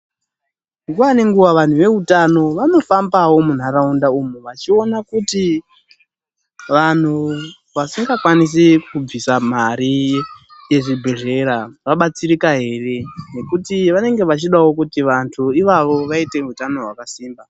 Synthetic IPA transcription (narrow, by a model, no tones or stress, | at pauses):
ŋɡuwane̞ŋɡuʋaʋan̤uʋe̞utano̞ʋano̞fambawo̞mun̤aɾaundaumuʋat͡ʃio̞nakuti | ʋan̤u | ʋasiŋɡakwanis̬ikub͡visam̤aɾi | je̞ʐibʱeʐe̞ɾaʋaɓat͡siɾikaɦe̞ːre̞ne̞kutiʋane̞ŋɡe̞ʋat͡ʃiɗawo̞kutiʋantʰuiʋaʋo̞ʋaite̞utano̞ɦwakasiːmba